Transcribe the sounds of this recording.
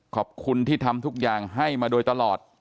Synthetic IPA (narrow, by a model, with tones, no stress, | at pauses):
kʰɔː˨˩p̚kʰu˧nt̪ʰiː˥˩t̪ʰa˧mt̪ʰu˦˥k̚jaː˨˩ŋɦa˥˩jmaː˧doː˧jt̪a˧lɔː˨˩t̪̚